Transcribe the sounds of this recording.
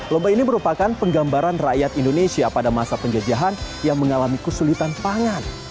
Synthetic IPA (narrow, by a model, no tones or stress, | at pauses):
lɔmbainiməɾupakanpəŋɡambaɾanraʔjat̪indonesiapadamasapəɲd͡ʒad͡ʒaɦan | jaŋməŋalamikəsulit̪anpaŋan